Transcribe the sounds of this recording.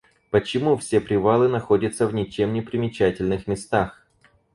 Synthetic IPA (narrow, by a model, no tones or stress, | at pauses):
pət͡ɕɪmufsʲe̞pɾʲɪvalˠɨnɐxo̞dʲət̪səvnʲɪt͡ɕemnʲɪpɾʲɪmʲɪt͡ɕætʲɪlʲnɨxmʲɪst̪ax